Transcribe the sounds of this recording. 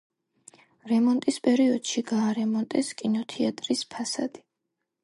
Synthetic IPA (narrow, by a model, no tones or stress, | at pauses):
ɾɛmɔnt̪ʼispʼɛɾiɔd̪̥ʃiɡaːɾɛmɔnt̪ʼɛskʼinɔt̪ʰɛat̪ʼɾispʰasa̰d̪̥i̥